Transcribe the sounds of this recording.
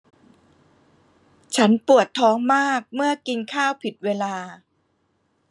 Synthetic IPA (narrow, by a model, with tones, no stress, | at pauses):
t͡ɕʰa˦˥npu˨˩ət̪ʰːɔː˦˥ŋmaː˥˩k̚mɯ˥˩ɐki˧nkʰaː˥˩wpʰi˨˩t̪̚weː˧laː˧